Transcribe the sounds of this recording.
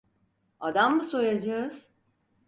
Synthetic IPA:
ad̪ambuso̞jad͡ʒaɯz̥

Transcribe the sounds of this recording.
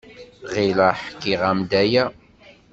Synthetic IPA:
ʁilaħkːiʁæmd̪æjæ

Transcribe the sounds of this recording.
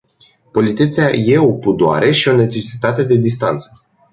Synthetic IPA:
po̞lit̪it̪seaje̞o̞pud̪oa̰ɾʔe̞ʃio̞ne̞t͡ʃe̞si̥t̪at̪e̞d̪e̞d̪ist̪ant̪sə̥

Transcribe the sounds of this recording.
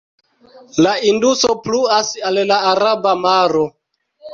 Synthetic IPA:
laindusopluasallaːɾabamaɾo̞

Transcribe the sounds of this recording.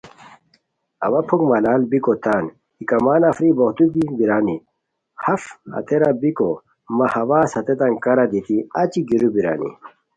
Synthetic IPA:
ɐ̰wɐpʰukmɐlaːlbikot̪aːn | ikɐmaːnɐfɾiboht̪ubibiɾaːni | hɐfhɐ̰t̪eɾabiko | mɐhɐwaːshɐt̪et̪ɐŋkɐɾɐd̪it̪iɐt͡ɕiɡiɾubiɾa̰ːnḭ

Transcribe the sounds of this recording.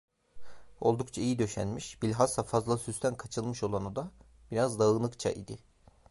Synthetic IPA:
o̞̰lˠd̪ukt͡ʃʰaijid̪ø̞ʃæ̰nmiʃbilʲɦasafazlˠasyst̪ʰænkʰat͡ʃʰɯlˠmɯʃo̞lˠanod̪a | b̥iɾazd̪aɯnˠɯkt͡ʃʰa̰ʔḭd̪ɪ

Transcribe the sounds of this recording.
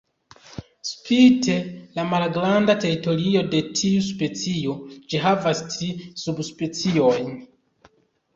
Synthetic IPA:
spite̞lamalɡɾandate̞ɾito̞ɾio̞de̞tʰiuspe̞t͡siod͡ʒiɦavastɾisubspe̞t͡sio̞jn

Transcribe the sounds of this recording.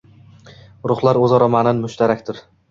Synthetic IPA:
ɾʊχlˠaɾɵzɒɾɒmanɪnmʊʃt̪ʰaɾakʲt̪ʰɪɾ

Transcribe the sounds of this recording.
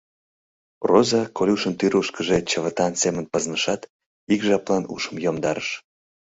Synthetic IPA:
rozɑkolʲuʃənt̪yɾuʃkəʒet͡ɕəβət̪ɑnsemənpəznəʃɑt̪ | ikʒɑplɑnṵʃəmjomd̪ɑɾəʃ

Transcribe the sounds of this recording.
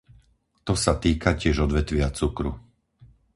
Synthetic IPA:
t̪ɔsat̪iːkacɪɛʒɔd̪ʋɛt̪ʋɪat͡sukɾṵ

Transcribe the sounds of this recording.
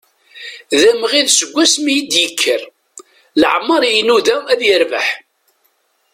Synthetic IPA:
ðæmʁiðsəɡʷːæsmijəd̪jəkʰːəɾ | lʕmːəɾˤjnuðææðjəɾvə̰ħ

